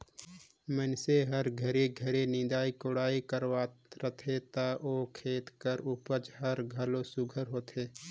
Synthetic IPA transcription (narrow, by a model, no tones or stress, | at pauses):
mənseɦəɾɡʱəɾeɡʱəɾenɪ̃d̪aːikʊɽaːikəɾwaːt̪ɾət̪ʰet̪aʔoːkʰeːt̪kəɾʊpət͡ʃɦəɾɡʱəlosʊɡʱəɾɦoːt̪ɦeː